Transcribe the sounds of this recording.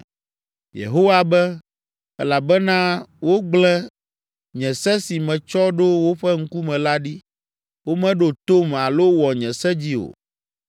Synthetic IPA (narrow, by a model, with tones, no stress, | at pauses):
jḛ˨ɦo˦wa˦bɛ˦ | ɛ˦la˨bɛ˦nã˦wo˦ɡ͡blɛ˦ | ɲɛ̃˨sɛ˦si˨mɛ̃˨t͡ʃɔ˦ɖo˦wo˦ɸɛ˦ŋ̩˦ku˦mɛ̃˨la˦ɖi˦ | wo˦mɛ̃˦ɖo˨t̪o˦ma˨lo˦wɔ˨ɲɛ̃˨sɛ˦d͡ʑi˦o̰˨